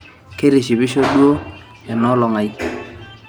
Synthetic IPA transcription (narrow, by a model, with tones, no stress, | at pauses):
ke˦ɾe˨ʃi˨bɪ˦ʃo˦dwo˦ | ɛ˨nɔ˦lɔ˨ŋa˨i˦